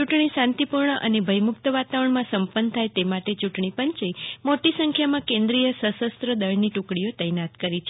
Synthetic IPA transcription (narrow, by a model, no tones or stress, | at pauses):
t͡ʃuʈɳisãnt̪ipuɾɳəʔənebʱəjmʊk̚t̪əʋat̪aʋəɳmãsəmpənt̪ʰajt̪emaʈet͡ʃuʈɳ̃ipəɲt͡ʃemoʈisə̃ŋkʰjamãkẽnd̪ɾijəsəsəst̪ɾəd̪əɭniʈukɽijot̪əjnat̪kəɾit͡ʃʰe